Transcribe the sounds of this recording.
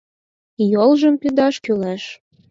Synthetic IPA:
jolʒəmpyd̪ɑʃkylæʃ

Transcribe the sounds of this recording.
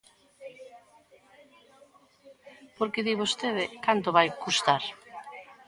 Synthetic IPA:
poɾkeðiβost̪eðekant̪oβajkust̪aɾ

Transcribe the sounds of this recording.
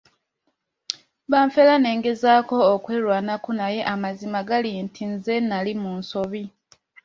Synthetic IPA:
βaːɱfelane̞ːŋɡe̞zaːko̞ːkwe̞ːɾwaːnakunaje̞ʔamazimaɡalintʰinze̞nalimunso̞βi

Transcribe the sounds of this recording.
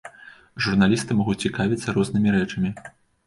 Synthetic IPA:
ʐurnalʲist̪ɨmɔɣut͡sʲikavʲit̪sːɐɾɔznɨmʲiɾɛt͡ʂɐmʲi

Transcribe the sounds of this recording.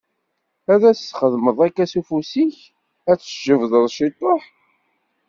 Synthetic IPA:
æðæsːχəðməðˤækːæsufusiç | æt͡sːə̥ʒəvðˤəðˤʃit̪ˤːoħ

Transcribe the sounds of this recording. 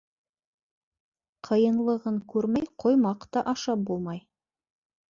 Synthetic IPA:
qʰɤ̆jɤ̆nlˠɤ̆ʁɤɴkʉɾmæjqʰojmɑqt̪ɑʔɑʃɑp̚bulˠmɑj

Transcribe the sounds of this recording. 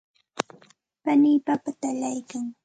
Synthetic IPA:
paniːpapat̪alajkaŋ

